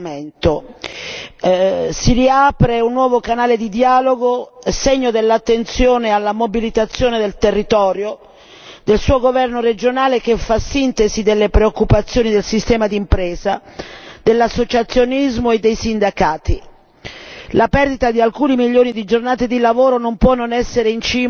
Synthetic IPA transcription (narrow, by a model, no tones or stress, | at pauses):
ent̪o | siɾiaːpɾeunːwɔːvokanaːled̪id̪jaːloɡoseɲːod̪elːat̪ːent̪sjoːnealːamobilit̪at̪sːjoːned̪elt̪erːit̪ɔːɾjo | d̪elsuːoɡovɛrnored͡ʒonaːlekefasint̪ezid̪elːepɾeokːupat̪sːjoːnid̪elsist̪ɛːmad̪impɾɛːzad̪elːasːot͡ʃat̪sːjonizmoed̪ːejsind̪akaːt̪i | lapɛrd̪it̪ad̪ialkuːnimiʎːoːnid̪id͡ʒornaːt̪ed̪ilavoːɾonompwɔnːonɛsːeɾeint͡ʃiː